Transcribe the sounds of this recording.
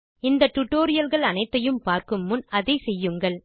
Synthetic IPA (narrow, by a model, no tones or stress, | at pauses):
ɪnd̪ɐʈːʊʈːoːɾɪjɐlɣɐɭɐnɐɪt̪ːɐjɯmpaːɾkɯmːʊnɐðɐɪsɛjːɯŋɡɐɭ